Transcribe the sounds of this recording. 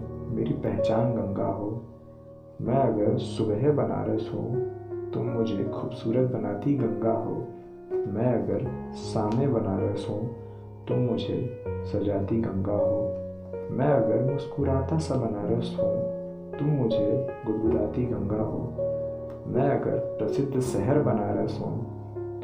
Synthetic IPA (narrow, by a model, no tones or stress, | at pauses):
meːɾipɛ̃ɦt͡ʃaːnɡə̃ŋɡa̰ɦoː | mɛ̃ɐɡəɾsʊbɦebɐna̰ːɾəɦsõ̰ːt̪ʊmːʊd͡ʒʱekʰuːbsuːɾət̪̚bəna̰ːt̪iɡə̃ŋɡaɦo̰ː | mɛ̃ɐɡəɾsaːmẽbənaːɾəɦsõ | t̪ʊmːʊd͡ʒʱḛsɐd͡ʒaːt̪iɡə̃ŋɡaɦoː | mɛ̃ɐɡəɾmʊskuːɾaːt̪asɐ̃bɐnaːɾəɦsõ | t̪ʊmːʊd͡ʒʱeɡʊɡuɾaːt̪iɡə̃ŋɡaɦo̰ː | mɛ̃ɐɡə̰ɾpɾəsɪd̪ʱsɛɦəɾbɐnaːɾəsõ̰ː